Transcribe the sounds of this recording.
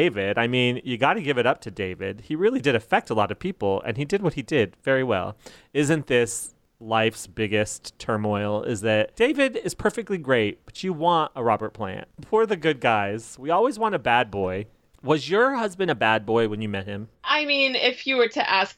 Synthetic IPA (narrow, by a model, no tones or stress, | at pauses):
eɪvɪɾaɪmĩnjɨɡɑɾɨɡɪvɨɾʌp̚tʰɨdeɪvɪ̰d̥̚iɹɪlˠidɨɾɨfɛk̚təlɑɾʌv̥pʰipl̩ˠɨ̰̃nidɨd̚wʌt̚hidɪdvɛɹiwɛ̰lˠɪzɨ̃nðɪs | laɪfsb̥ɪɡɨsttʰɜ̃˞mɔɪl̩ˠɪ̰zðɨt̚d̥eɪvɨɾɪz̥pʰɜ˞fɨk̚tˡliɡɹeɪt̚b̥ʌt͡ʃɨwɑ̃ntəɹɑbə˞t̚pʰl̥æ̰̃n̚pʰuɹðɨɡʊd̚ɡaɪz̥wiɔlˠwizwɑ̃ñɨbæd̚bɔɪ | wʌzjə˞hʌzbɨ̃ndɨbæd̚bɔɪwə̃njɨmɛt̚hɪ̃mʔaɪmĩnɪfjɨwə˞ɾɨʔæs